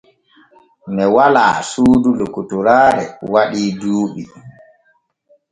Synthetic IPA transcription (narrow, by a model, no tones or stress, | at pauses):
nɛwala̰ːsuːdulokːutuɾaːɾɛ̰waɗiːduːɓi